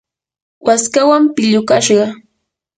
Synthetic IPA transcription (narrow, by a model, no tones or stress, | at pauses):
waskawampɪʎʊkaʃɢɑ